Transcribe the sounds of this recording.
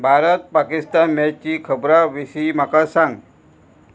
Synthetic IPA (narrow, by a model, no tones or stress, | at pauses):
bʱaɾət̪̚pakist̪anmɛt͡ɕiːkʰəbɾaʋisiːm̤akasãŋɡ